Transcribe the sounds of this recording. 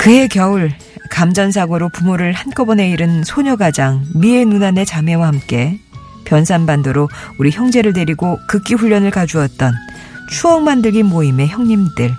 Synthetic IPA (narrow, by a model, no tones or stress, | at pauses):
kɯe̞kjʌuɭ | kamd͡ʑʌns̬ʰaɡoɾopumoɾɯɭhank͈ʌbʌne̞iɾɯnsʰoɲʌɡad͡ʑaŋmie̞nunane̞t͡ɕame̞wahamk͈e̞ | pjʌnsʰanbandʌɾouɾiçjʌŋd͡ʑe̞ɾɯɭde̞ɾiɡokɯk͈iɸuʎːʌnɯɭkad͡ʑuʌt̚t͈ʌn | t͡ɕʰuʌŋmandɯɭɡinmoime̞çjʌŋɲimdɯɭ